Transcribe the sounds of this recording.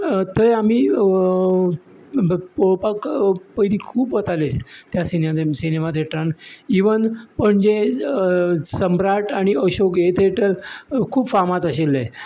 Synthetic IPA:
t̪əɾamiː | poɭpakpəjd̪iːkʰuːpʋət̪alest̪jasineasinemat̪ʰeʈɾaniʋənpəɳd͡ʑe | səmbɾaʈaɽ̃iəɕoket̪eʈelkʰuːbfamat̪əɕelːe

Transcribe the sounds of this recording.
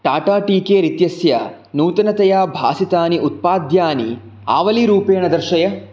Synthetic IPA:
ʈaːʈaːʈiːkeːɾit̪jɐsjɐ | nuːt̪ɐnɐt̪ɐjaːbʱa̰ːsit̪aːniʔut̪̚paːd̪jaːnḭ | a̰ːʋɐliɾuːpeːɳɐd̪ɐɾʃɐjɐ

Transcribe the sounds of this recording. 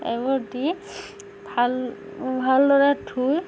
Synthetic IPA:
ɛ̰ɡɔdi | bʱal | bʱaldɔɹatʰuj

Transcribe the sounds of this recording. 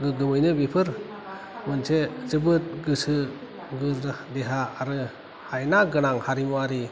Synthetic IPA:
ɡɯɡɯmɯjnɯbipʰɯɾ | mɯnsezɯbɯt̚ɡɯsɯ | ɡɯɾdeɦaːɾɯ | hajnaɡɯnaŋhaɾimuaɾi

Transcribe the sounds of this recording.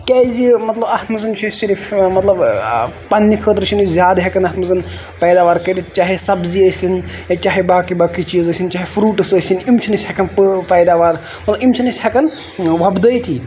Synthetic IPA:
kʲɛːjzimɐt̪lɐbɐhmɐzɐnt͡ʃʰisiɾifmɐt̪lɐbpɐnːikʰəːt̪ɾt͡ʃʰinizʲjaːd̪ɦɐkɐnɐt̪mɐzɐn | pɐjd̪aːʋaɾkɐjd̪it̪t͡ʃaːɦisɐbziəːsinjaːt͡ʃaːɦibaːkibaːkit͡ʃiːzəsʲint͡ʃaːɦifʰɾuːʈɐsəːsinimt͡ʃʰinɐsʲhɐkɐnppɐjd̪aːʋaɾ | mɐt̪lɐbimt͡ʃʰinɐsʲhɐkɐn | ʋɐbd̪əjt̪ʰiː

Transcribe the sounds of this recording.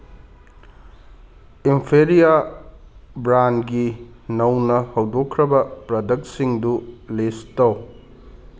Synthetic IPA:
impʰeɾija | bɾanɡi | nɐwnɐhɐwdokʰːɾɐbɐpɾɐdɐk̚siŋdulestɐw

